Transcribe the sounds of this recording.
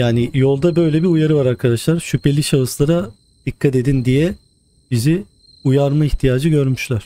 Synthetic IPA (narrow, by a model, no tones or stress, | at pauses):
jaːnijo̞lˠd̪abø̞jlʲɛbiujaɾɯvaɾaɾkʰad̪aʃlˠaɾʃypʰe̞lʲiʃaɯslˠaɾa | d̪̥ikʰːat̪e̞d̪ind̪ijɛ | b̥izi | ujaɾmaiçt̪ʰijaːd͡ʒɯɟø̞ɾmyʃlʲæɾ̥